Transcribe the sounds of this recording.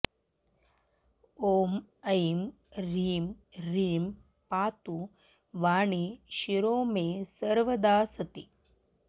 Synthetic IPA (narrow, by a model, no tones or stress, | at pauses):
oːm | ɐjm | ɾiːmɾiːm | paːt̪u | ʋaːɳiʃiɾoːmeːsɐɾʋɐd̪aːsɐt̪i